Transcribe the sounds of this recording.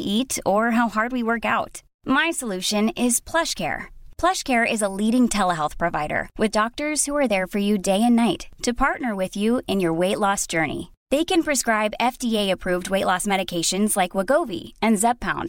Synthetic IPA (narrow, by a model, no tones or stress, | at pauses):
ʔiɾə˞ɦaʊhɑɹd̚wiwɜ˞ka̰ʊt | maɪsəlʉʃɨ̃nɪz̥pʰl̥ʌʃkʰɛ̰ɹpʰl̥ʌʃkʰɛɹʔɪzəliɾɪ̃ŋtʰɛlˠəɦɛlˠθpʰɹ̥ɨvaɪɾə̰˞wɨðdɔk̚tə˞z̥huə˞ðə˞fə˞jɨdeɪɨ̃nːaɪtʰːɨpʰɑɹtⁿnə˞wɪðjʉɨ̃njə˞weɪtˡlɔsd̥ʒ̥ɜ˞nḭ | ðeɪkɨ̃npʰɹ̥ɨskɹaɪbɛfd̥ieɪɨpʰɹ̥uvd̚weɪʔˡlɔsmɛɾɨkʰeɪʃɨ̃nzlaɪkwəɡoʊvḭɨ̃nzɛb̚pʰã̰ʊ̃nd̥